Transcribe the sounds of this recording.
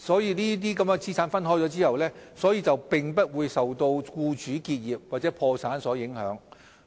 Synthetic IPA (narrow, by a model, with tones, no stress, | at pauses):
sɔː˨˥jiː˨˧niː˥t̪̬iː˥kɐ˨˥mɛ˧t͡sʰiː˥sʰaː˨˥nfɐ˥nɦɔː˥jt͡sɔː˨˥t͡siː˥hɐ˨˩wlɛː˥sɔː˨˥jiː˧t͡sɐ˨wpɪ˨ŋpɐ˥t̚wuː˨˧jsɐ˨wt̪o˧wkuː˧t͡ʃyː˨˥kiː˧t̚jiː˨p̚waː˨t̚t͡sɛː˨˧˥pʰɔː˧saː˨˥nsɔː˨˥jɪ˨˥ŋhœ̰ː˨˥ŋ